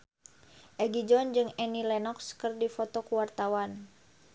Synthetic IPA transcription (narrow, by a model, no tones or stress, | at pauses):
ʔɛɡid͡ʒɔnd͡ʒɨŋɛnilɛnɔkskɨrdifɔt̪ɔkuwart̪awan